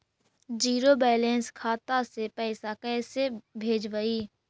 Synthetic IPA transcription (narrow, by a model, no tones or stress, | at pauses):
d͡ʒiːɾobɛːlẽnskʰaːt̪asepɛːsakɛːsebʱeːd͡ʒʋəiː